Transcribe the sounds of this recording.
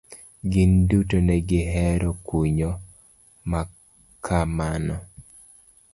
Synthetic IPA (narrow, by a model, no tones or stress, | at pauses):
ɡɪndutonɛɡɪɦɛɾɔkuɲɔ | ma | kʰamanɔ